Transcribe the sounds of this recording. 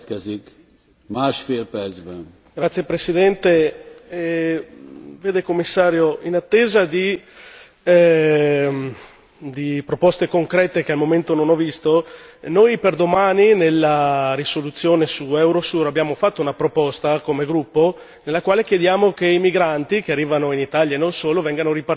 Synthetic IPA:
kɛzik | maːʃfeːlpɛɾzbɛn | ɡɾat̪sːjepɾesid̪ɛnt̪eɛ | veːd̪ekomːisːaːɾjoinat̪ːeːzad̪i | d̪ipɾopɔst̪ekoŋkɾɛːt̪ekealmoment̪ononɔvist̪onojperd̪omaːninelːaɾisolut̪sːjoːnesuɛwɾosurabːjaːmofat̪ːounapɾopɔst̪akomeɡɾupːo | nelːakwaːlekjed̪jaːmokeimiɡɾant̪ik̟earːiːvanoinit̪aljaenonsoːlovɛŋɡanoɾipar

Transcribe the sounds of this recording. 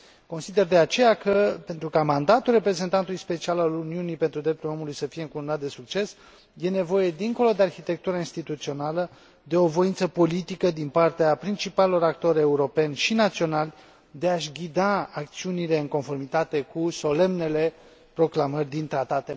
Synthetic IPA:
ko̞nsid̪e̞rd̪e̞at͡ʃe̞jakəpe̞nt̪ɾukamand̪at̪ulre̞pɾe̞ze̞nt̪ant̪ulujspe̞t͡ʃialaluniunipe̞nt̪ɾud̪ɾe̞p̚t̪ulo̞mulujsəfije̞ɨŋkununat̪̚d̪esuk̚t͡ʃe̞s | je̞ne̞vo̞je̞d̪iŋko̞lo̞d̪e̞arxit̪e̞k̚t̪uɾainst̪it̪ut̪sio̞nalə | d̪e̞o̞vo̞int̪səpo̞lit̪ikəd̪inpart̪eapɾint͡ʃipalelo̞ɾak̚t̪o̞ɾe̞uɾo̞pe̞nʲʃinat̪sio̞nalʲ | d̪e̞aʃɡʲid̪aːk̚t̪siunile̞ɨŋko̞nfo̞rmit̪at̪e̞kuso̞le̞mne̞le̞ | pɾo̞klamərʲd̪int̪ɾat̪at̪e

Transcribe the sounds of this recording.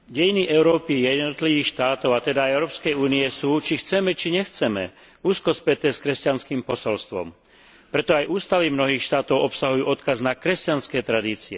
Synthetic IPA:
ɟɛjiniʔɛʊɾɔːpijɛnɔt̪liʋiːxʃt̪aːt̪ɔʊat̪ɛd̪ajɛʊɾɔːpskɛjuːnijɛsuːt͡ʃixt͡sɛmɛt͡ʃiɲɛxt͡sɛmɛ̰ | uːskɔspɛt̪ɛːskɾɛscanskiːmpɔsɔlst̪ʋɔ̰m | pɾɛt̪ɔajʔuːst̪aʋimnɔɦiːxʃt̪aːt̪ɔʊɔpsaɦujuːʔɔt̪kaznakɾɛscanskɛːt̪ɾad̪iːt͡siɛ

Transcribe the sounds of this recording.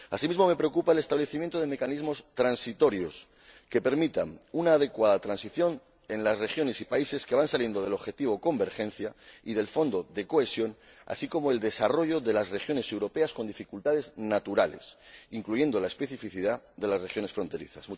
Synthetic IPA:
asimizmo̞me̞pɾeokupaele̞st̪aβle̞θimjent̪oð̞e̞me̞kanizmo̞st̪ɾansit̪o̞ɾjo̞s | ke̞pe̞ɾmit̪a̰nunaːð̞e̞kwað̞at̪ɾansiθjo̞n | e̞nlasre̞xjo̞ne̞sipaise̞ske̞βansalje̞nd̪o̞ð̞e̞lo̞βxe̞t̪iβ̞o̞ko̞mbe̞ɾxe̞n̟θjaiðe̞lfo̞nd̪o̞ðe̞ko̞e̞sjo̞n | a̰siko̞moe̞ld̪e̞saro̞ʝo̞ðe̞lasre̞xjo̞ne̞se̞wɾo̞pe̞asko̞nd̪ifikult̪aðe̞znat̪uɾale̞̰siŋkluʝe̞nd̪o̞lae̞spe̞θifiθiðaðe̞lasrexjo̞nesfɾo̞nt̪e̞ɾḭθa̰su

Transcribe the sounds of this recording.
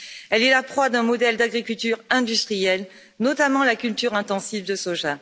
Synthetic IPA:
ɛlɛlapχwad̪ɛ̃mɔd̪ɛld̪aɡʁikʲylt̪yʁɛ̃d̪yst̪χijɛl | nɔt̪amɑ̃lakʲylt̪yʁɛ̃t̪ɑ̃sivd̪əsoʒa

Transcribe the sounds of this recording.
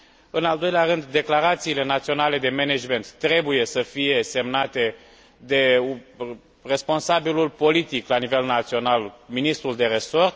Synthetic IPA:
ɨnald̪o̞jleaɾɨnd̪ːe̞klaɾat̪siːle̞nat̪sio̞nale̞d̪e̞mened͡ʒme̞nt̪ːɾe̞buje̞səfije̞se̞mnat̪e̞ | d̪e̞ | re̞spo̞nsabilulpo̞lit̪iklanive̞lnat̪sio̞nalminist̪ɾuld̪e̞ɾe̞so̞rt̪

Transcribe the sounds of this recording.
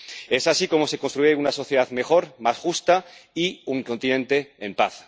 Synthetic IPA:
e̞sasiko̞mo̞se̞ko̞nst̪ɾuʝeunaso̞θjeðaðme̞xo̞ɾmasxust̪aiuŋko̞nt̪inẽ̞nt̪e̞ːmpaθ

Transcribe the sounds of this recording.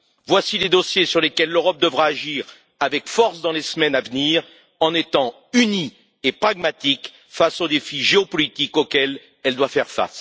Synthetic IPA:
vwasiled̪ɔsjesyʁlekʲɛlːøʁɔp̚d̪əvʁaːʒiːʁ | avɛkfɔʁsd̪ɑ̃lesmɛnavniːʁ | ɑ̃net̪ɑ̃ | yni | epχaɡmat̪ik | fasod̪efiʒeɔpɔlit̪ikokɛl | ɛld̪wafɛʁfa̰s

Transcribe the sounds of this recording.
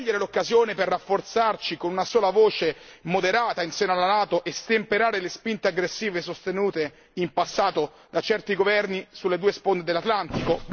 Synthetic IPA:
ʎːeɾelokːazjoːneperːafːort̪sart͡ʃikonunasoːlavoːt͡ʃemod̪eɾaːt̪ainseːnoalanaːt̪oʔest̪empeɾaːɾelespint̪eaɡɾesːiːvesost̪enuːt̪e | impasːaːt̪o | d̪at͡ʃɛrt̪iɡovɛrnisulːed̪uːespond̪ed̪elːat̪lant̪iko

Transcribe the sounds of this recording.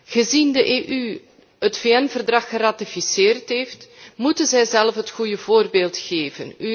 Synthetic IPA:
ɣəzindəʔeʔy | ətfeɛnvərdrɑxəraːtifisɪːrtɦeːftmutənzɛjzɛlfɦətxujəvoːrbeːlˠtxeːvə̰ny

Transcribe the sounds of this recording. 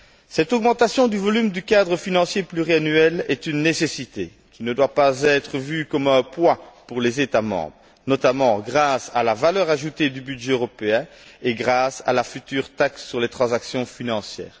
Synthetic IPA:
sɛt̪ɔɡmɑ̃t̪asjɔ̃d̪yvɔlymd̪ykad̪ʁəfinɑ̃sjeplyʁianyɛlɛt̪ynːesesit̪e | kʲinəd̪wapazɛt̪χəvykɔmɛ̃pwapuʁlezet̪amɑ̰̃ːbʁə | nɔt̪amɑ̃ɡʁasalavalœːʁaʒut̪ed̪ybydʒɛøʁɔpeɛ̃eɡʁasa̰lafyt̪yːʁt̪aksːyʁlet̪χɑ̃zaksjɔ̃finɑ̃sjɛ̰ːʁ

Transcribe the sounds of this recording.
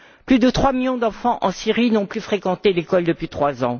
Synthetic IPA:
plyd̪ət̪χwamiljɔ̃d̪ɑ̃fɑ̃ʔɑ̃siʁinɔ̃plyfχekɑ̃t̪elekɔld̪əpɥit̪χwazɑ̃

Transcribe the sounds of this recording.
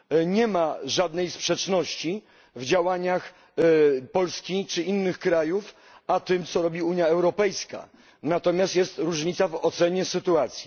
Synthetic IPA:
ɲɛmaʐad̪nɛjspʂɛt͡ʂnɔɕt͡ɕi | vd͡ʑawaɲax | pɔlskʲit͡ʂɘinːɘxkɾajuf | at̪ɘmt̪sɔɾɔbʲiuɲjaɛwɾɔpɛjska̰ | nat̪ɔmʲjast̪jɛst̪ɾuʐɲit̪savɔt̪sɛɲɛsɘt̪uat̪sʲji

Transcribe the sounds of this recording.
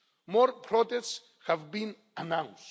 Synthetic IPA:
mɔɾpʰɾɔtɛsts | həvbĩn | anãʊ̃ns

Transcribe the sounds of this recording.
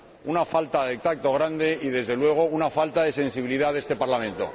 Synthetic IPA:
unafalt̪aðet̪ak̚t̪o̞ɣ̞ɾand̪e̞iðe̞zðe̞lwe̞ɣ̞o̞unafalt̪aðe̞se̞nsiβiliðaðe̞st̪e̞paɾlamẽ̞nt̪o̞̰

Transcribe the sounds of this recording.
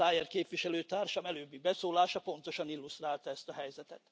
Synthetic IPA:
aːjɛrkeːpʋiʃɛløːt̪aːrʃɒmɛløːbːibɛsoːlaːʃɒpo̞n̪t̪o̞ʃɒnilːust̪raːlt̪ɒɛst̪ɒɦɛjzɛt̪ɛt̪

